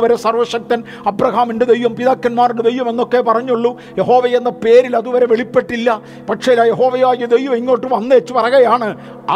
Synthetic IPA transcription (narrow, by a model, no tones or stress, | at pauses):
ʋɐɾesɐrʋɐʂɐk̚t̪ɐn | ɐbrɐɦaːminded̪ejʋɐmpiðaːkːɐnmaːriɳɖed̪e̞jʋɐme̞nːo̞kːepɐrɐɲːuɭːu | jeɦo̞ːʋɐjenːɐpe̞ːɾilɐðuʋɐɾe̞ʋeɭipːe̞ʈːilːɐ | pɐʈʂelːajeɦo̞ːʋɐjaːiɐd̪ejʋɐmeŋːo̞ːʈːɨʋɐnːeet͡ɕːupɐrɐɣɐjaːɳɨ | ɐ̰